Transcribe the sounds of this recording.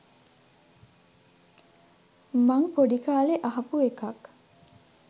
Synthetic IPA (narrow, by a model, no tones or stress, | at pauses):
maŋpoɖikaːleʔɐɦɐpuekɐk